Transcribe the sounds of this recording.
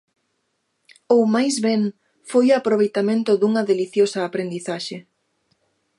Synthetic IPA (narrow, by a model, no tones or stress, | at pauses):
owmajzβɛŋ | fojapɾoβ̞ejt̪amẽnt̪ʊðuŋɐðeliθjosɐːpɾend̪iθaʃe